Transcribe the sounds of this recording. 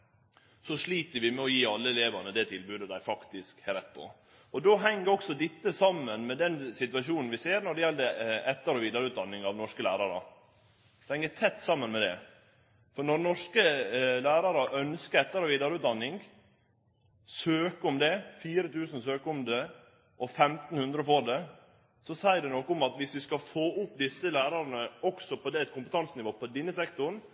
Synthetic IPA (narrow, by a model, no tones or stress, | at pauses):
sɔʂɭiːt̪əɾʋɪmɛɔjiːɑlːəɛleːʋɑnəd̪ɛt̪ʰɪlbʉːd̪əd̪æɪfɑkt̪ɪskhɛɾɛt̪ːpʰɔ̰ | ɔd̪oːɦɛŋːəɾɔksɔd̪ɪt̪ːəsɑmːənmɛd̪ɛnsɪt̪ʋɑʂuːnn̩ʋɪseːɾnɔɖɛjɛlːd̪ɛɛt̪ːəɾɔʋiːd̪əɾəʉːt̪d̪ɑnːɪŋɑʋnɔʂkəlæ̰ːɾɑɾə̰ | shɛŋːət̪ʰɛt̪ːsɑmːənmɛd̪ɛ̰ | fɔɾnɔɾnɔʂkəlæːɾɑɾəʔœnskəɾɛt̪ːəɾɔʋiːd̪əɾəʉːt̪d̪ɑnːɪŋɡ | søːkəʊmd̪ɛfiːɾət̪ʰʉːsən̩søːkəʊmd̪ɛ | ʔɔfɛmt̪n̩hʉnd̪ɾəfoːɖɛ | sɔsæɪəɖɛnɔkːəʊmɑt̪ʋɪsʋɪskɑfoːʔʊpːd̪ɪsːəlæːɾɑɾnəɔksɔpʰɔd̪ɛɛt̪kʊmpət̪ʰɑnsnɪʋoːpʰɔd̪ɪnːəsɛkt̪ʊɾn